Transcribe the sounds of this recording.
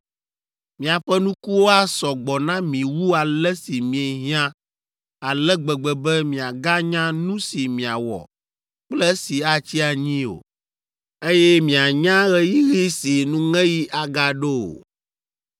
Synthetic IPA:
mĩ˨a˨ɸɛ˦nũ˦ku˦wo˦a˦sɔ˨ɡ͡bɔ˨nã˦mĩ˨wu˦a˨lɛ˦si˨mĩ˨ɛ˨ɦĩ˦ã˦ | a˨lɛ˦ɡ͡bɛ˨ɡ͡bɛ˨bɛ˦mĩ˨a˨ɡa˦ɲã˦nũ˦si˨mĩ˨a˨wɔ̰˨ | k͡plɛ˦si˨a˦t͡ɕi˦a˨ɲĩ˦o̰˨ | e˦jɛ˦mĩ˨a˨ɲã˦ɣɛ˦ji˦ɣi˦si˨nũ˦ŋɛ̃˦ji˦ʔa˨ɡa˦ɖo˦o̰˨

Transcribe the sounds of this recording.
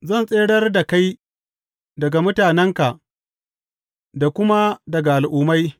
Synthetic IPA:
zɐ˦˨nsʼeː˦ɽɐ˦rda˨ka˦j | dɐ˨ɡa˨mʊ˦taː˨nɛ˦ŋka˨ʔ | da˨kʷʊ˦ma˦dɐ˨ɡa˨ʔa˨lʔʊː˨ma˦j

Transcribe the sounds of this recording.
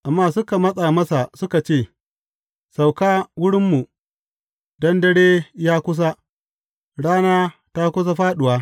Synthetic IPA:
ʔa˨mːaː˦˨sʊ˦ka˨mɐ˦sʼaː˨mɐ˦sa˨sʊ˦ka˨t͡ʃeː˦˨ | sa˨wkaː˦wʊ˦ɽɪ˦mːu˨ | dɐ˦ndɐ˦ɽeː˦jaː˦kʷʊ˦s̬a˦ | ɽaː˦naː˦ta˦kʷʊ˦s̬a˦ɸaː˦ɗʊ˨waː˦

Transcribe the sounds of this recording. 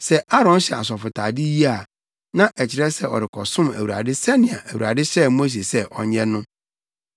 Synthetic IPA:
sɛ˦a˦ɾɔ̃˦nɕɛ̰˨a̰˨s̬ɔ˨fʊ˨tʰa̰ː˨dɪ˦ji˦a˨ | nã˦ʔɛ˨t͡ɕʰɪ˨ɾɛ˦sɛ˦ɔ̰˨ɾɪ˨kʰɔ̰˨sʊ̃˦mæ̰˨wu˨a̰˨dɪ˦sɛ˦nɪ̃˨a̰˨ʔæ˨wu˨ɾa̰˨dɪ˦ɕɛ˦˨mo˦s̬e˨sɛ˦ʔɔ̰˨ɲɛ̃˦nʊ̃˦

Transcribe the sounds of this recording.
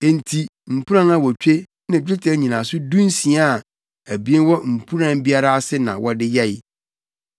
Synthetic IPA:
ẽ˨n˨tʰi˨m̩˨pʰu˦ɾã˦nã˦wɔ˨t͡ɕᶣe˦ | nã˨˦e˦tʰɛ˦ɲĩ˨nã˨sʊ˦dũ˦n˦sĩ˨a˦a˨ | æ˨bi˨˦e˦wɔ˦m̩˨pʰu˦ɾã˦n˦bi˦a˦ɾa˦a˦sɪ˦nã̰˨wʔɔ˦dɪ˦jɛ˦j

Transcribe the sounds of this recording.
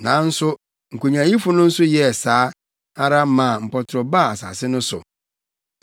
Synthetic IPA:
nã˨˦n̩˦sʊ˦ | ŋ̩˨ku˨ɲã˨˦ji˦fʊ˦nʊ̃˦n̩˦sʊ˦jɛ˦˨saː˨˦ | a˦ɾa˦mã˨m̩˨pɔ˨tʰʊ˨ɾɔ˨ba˦˨a˨sa̰˨sɪ˦nʊ̃˦sʊ̰˨

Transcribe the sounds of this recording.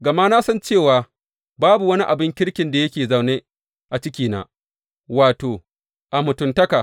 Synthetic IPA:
ɡɐ˨maː˦na˦sɐ˦nt͡ʃeː˦˨waː˨ | baː˦bu˨wɐ˦ni˦ʔa˨bɪ˦ŋkʲɪ˦ɽkʲɪ˨nda˨jɐ˦kʲeː˨za˨wne˦ | ʔa˨t͡ʃɪ˦kʲiː˨na̰ː˦ | waː˨toː˨ | ʔa˨mʊ˨tʊ˨ntɐ˦kaː˨

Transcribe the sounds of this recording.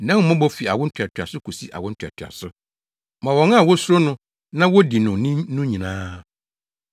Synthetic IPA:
nã˦ŋ̩˦mɔ̃˦bɔ˦fi˨a̰˨wʊ˦tʰᶣa˨tʰa̰˨sʊ˦kʰu˨si˦ʔa̰˨wʊ̃˦n̩˦tʰᶣa̰˨tʰɥa̰˨sʊ˦ | mã˨wɔ̃˨ŋa˦˨wɔ˦sʊ˦ɾo˦nʊ̃˦ | nã˦wɔ˦di˨nʊ̃˨nĩ˦nʊ̃˦ɲĩ˨nãː˦

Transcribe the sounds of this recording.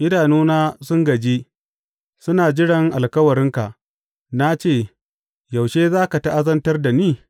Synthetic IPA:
ʔɪ˦daː˨nuː˦naː˦sʊ˦ŋɡɐ˨d͡ʒiː˦ | sʊ˦naː˨d͡ʒɪ˦ɽɐ˨ŋʔa˨lkɐ˦wɐ˨ɾɪ˦ŋka˨ʔ | na˦t͡ʃeː˦˨ | ja˨wʃeː˦zaː˦ka˨ta˦ʔa˦zɐ˦ntɐ˦rda˨niː˦

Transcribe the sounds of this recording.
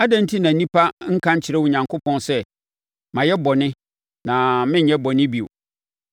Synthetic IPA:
a˦dã˦n˦tʰi˦nã˨nĩ˦pʰa˦ŋ̩˦kʰã˦ɲ˦t͡ɕʰɪ˨ɾɛ˦wʊ˨ɲã˨ŋkʰʊ˦pʰɔ̃˦nsɛ˦ | mã˨jɛ˦bɔ˨nɪ̃˦ | nã˨mɪ̃˦˨ɲɛ̃˦bɔ˨nɪ̃˦bi˨o̰˨

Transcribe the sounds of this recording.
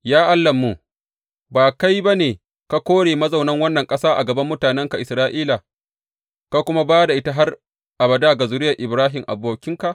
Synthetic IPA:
jaː˦ʔa˦lːɐ˨mːu˨ | baː˨ka˦jba˦neː˨ | ka˦kʷoː˦ɽeː˨mɐ˦za˨wnɐ˦ŋwɐ˦nːɐ˨ŋkʼɐ˦saː˦ʔa̰˨ɡɐ˨bɐ˦mːʊ˦taː˨nɛ˦ŋka˨ʔɪ˨sɾaː˦ʔiː˦la˨ | ka˦kʷʊ˦ma˦baː˦da˨ʔɪ˦ta˦ɦa˦r | ʔa˨bɐ˨daː˦˨ɡa˨zʊ˨ɾɪ˦jɐ˨ʔɪ˨bɾaː˦ɦɪ˨mʔa̰˨boː˨kʲɪ˦ŋka˨ʔ

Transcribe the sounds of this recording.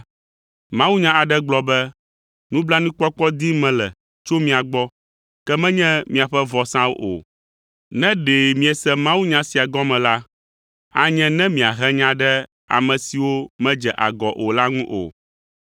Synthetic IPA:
mã˦wu˦ɲã˦a˨ɖɛ˦ɡ͡blɔ˨bɛ˦ | nũ˦bla˦nũ˦k͡pɔ˦k͡pɔ˦d̪i˦mɛ̃˨lɛ̰˨ | t͡ʃo˦mĩ˦a˨ɡ͡bɔ˦ | kɛ˦mɛ̃˦ɲɛ̃˦mĩ˨a˨ɸɛ˦vɔ˨sã˦wo̰˦ʔo̰˨ | nɛ̃˦ɖe˨mĩ˨ɛ˨sɛ˦mã˦wu˦ɲã˦si˨a˨ɡɔ˦mɛ̃˨la˦ | a˨ɲɛ̃˦nɛ̃˦mĩ˨a˨ɦɛ˦ɲã˦ɖɛ˦ | a̰˨mɛ̃˨si˨wo˦mɛ̃˦d͡ʒɛ˨ʔa˨ɡɔ˨ʔo˨la˦ŋũ˦ʔo̰˨

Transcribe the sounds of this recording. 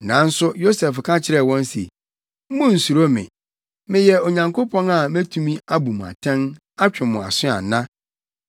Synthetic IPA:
nã˨˦n̩˦sʊ˦jo˦sɛ˨fkʰã˦t͡ɕʰɪ˦ɾɛ˦˨wɔ̃˦n˦sḛ˨ | m̩˦mʊ̃˦n̩˨su˨ɾo˦mɪ̰̃˨ | mɪ̃˨jɛ˨o˨ɲã˨ŋkʰo˦pʰɔ̃˦na˨mæ˦tʰũ˨mĩ˦a˦bu˨m̃˨a̰˨tʰɛ̃˦n | a˦t͡ɕᶣɪ˨mʊ̃˨a̰˨sɪ̃˦a̰˨nã˦

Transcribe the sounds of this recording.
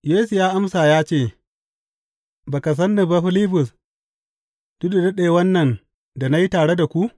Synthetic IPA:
jeː˦su˨jaː˦ʔa˦msaː˨jaː˦t͡ʃeː˦˨ | baː˨ka˨s̬ɐ˦nːu˨ba˦ɸɪ˦liː˦bʊ˨s | d̥ʊ˦da˨dɐ˦ɗe˨wɐ˦nːɐ˨n | da˨na˦ji˦taː˨ɽe˦da˨kʷu˦ʔ

